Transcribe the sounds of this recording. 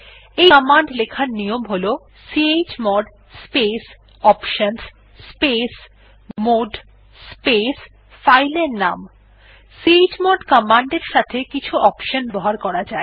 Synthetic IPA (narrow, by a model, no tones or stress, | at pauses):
eɔmaɳɖlekʰaɾnijomɦolo | siet͡ɕmɔɖ | spes | ɔpʃons | spes | moɖ | spes | fajleɾnam | siet͡ɕmɔɖkɔmaɳɖeɾʃat̪ʰekit͡ɕʰuʔɔpʃonbɔɦaɾkɔɾad͡ʑae